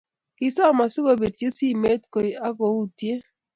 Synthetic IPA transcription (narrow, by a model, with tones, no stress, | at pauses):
kɪ˨sɔ˦˨ma˨sʊ˦ɡo˨be˨t̚ke˦si˦me˦tko˨i˨a˦ɡo˨u˦tje˦